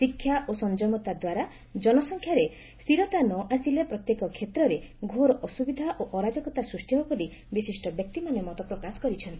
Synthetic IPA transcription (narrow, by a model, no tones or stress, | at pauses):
sikʰːjaʔosɔnd͡ʒɔmɔt̪ad̪waɾa | d͡ʒɔnɔsɔŋkʰjaɾe | siɾɔt̪anɔʔasilepɾɔt̪jekɔkʰet̪ɾɔɾeɡʱoɾɔʔɔsubid̪ʱaʔoʔɔɾad͡ʒɔkɔt̪asɾusʈibɔbɔli | bisisʈɔbjɔk̚t̪imanemɔt̪ɔpɾɔkasɔ̥kɔɾit͡ʃʰɔnt̪i